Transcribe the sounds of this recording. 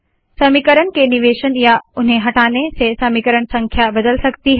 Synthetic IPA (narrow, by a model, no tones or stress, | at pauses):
sɐmikəɾəñkenɪʋeːʃənjaʊnɦẽɦɐʈaːnesesɐmiːkəɾəɽ̃sɐ̃ŋkʰjabɐd̪əlsɐkt̪iɦɛ